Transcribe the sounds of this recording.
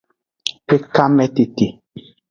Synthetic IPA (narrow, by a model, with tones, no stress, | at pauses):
pe˦ka˦mɛ˦te˨te˨